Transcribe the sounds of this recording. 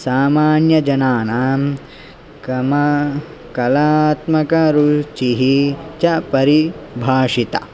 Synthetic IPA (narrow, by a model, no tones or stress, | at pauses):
saːmaːnjɐd͡ʒɐnaːnaːm | m | kɐlaːt̪mɐkɐɾut͡ʃiɦit͡ʃɐpɐɾibʱaːʂit̪ɐ̰